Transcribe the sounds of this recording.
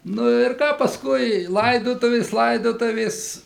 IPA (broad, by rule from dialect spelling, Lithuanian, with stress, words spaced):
nʊ ɪr ˈkɑː pɐsˈkʊɪ ˈlˠɐɪdoːtʊʋʲeːs ˈlˠɐɪdoːtʊʋʲeːs